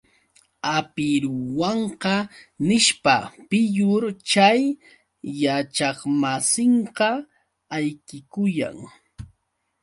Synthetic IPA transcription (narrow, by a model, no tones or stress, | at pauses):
apɪɾʊwɑɴqɑnɪʃpapɪjʊɾt͡ʃajː | at͡ʃɑχmasɪɴqɑ | ajkɪkʊja̰ŋ